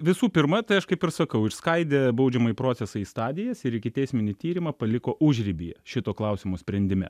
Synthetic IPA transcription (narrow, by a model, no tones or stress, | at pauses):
ʋʲɪsuːpʲɪɾmɐt̪ɐɪɐʃkɐɪpɪɾsɐkɐʊɪʃskɐɪd̪ʲeːbɐʊd͡ʒʲɛmɐjpɾoːt͡ssʲɛsɐist̪ɑːd̪ʲɪjɛsɪɾɪkʲɪt̪ʲɛɪsʲmʲɪnʲɪt̪ʲiːɾʲɪmɐpɐlʲɪkoːʔʊʒʲɾʲɪbʲijɛʃʲɪt̪oːklˠɐʊsʲɪmosʲpʲɾʲɛnʲd̪ʲɪmʲɛ̰